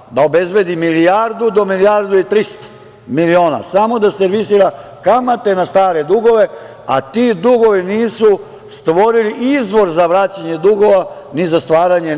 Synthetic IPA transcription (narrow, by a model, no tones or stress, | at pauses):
d̪aobe̞zbe̞d̪imilijaɾd̪ud̪o̞milijaɾd̪uit̪ɾist̪ | milio̞ːna̰samo̞d̪aseɾʋisiːɾa | kamat̪e̞nast̪aːɾe̞d̪uɡo̞ʋe̞ | a̰t̪id̪uɡo̞ʋiniːsu | st̪ʋo̞ɾiliʔizʋo̞ɾzaʋɾat͡ɕaɲe̞d̪uɡo̞ʋa | nizast̪ʋaːɾaɲe̞